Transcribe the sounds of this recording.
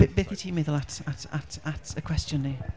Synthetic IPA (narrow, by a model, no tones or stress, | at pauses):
ɪbɪkɪtʰimɪdəlˠatəta̰tatəkʰw̥ɛst͡ʃə̃nːə